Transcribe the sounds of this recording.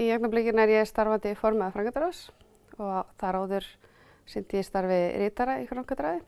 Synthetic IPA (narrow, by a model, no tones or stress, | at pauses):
ijak̚naplɪcɪnaɛɾjɛst̪aɾvant̪ɪfɔɾmaðfɾawŋkʰat̪ɾas | ɔɣaθaɾaːwðʏɾ̥ | sɪnt̪ɪjɛst̪aɾvɪðɾɪːt̪aɾaifɾawŋkʰat̪ɾaðɪ